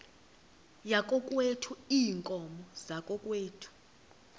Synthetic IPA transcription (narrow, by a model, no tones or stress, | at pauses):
jakʼɔkʼwetʰuiːŋkʼɔmɔzakʼɔkʼweːtʰu̥